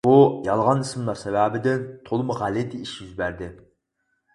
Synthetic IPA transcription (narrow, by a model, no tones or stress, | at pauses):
bujɑlˠʁɑnɨsmɨlˠɑɾsɛvæːbɪd̪ɪnt̪ʰolˠɨmʊʁælɪd̪ɪiʃjyzbæɾd̪ɪ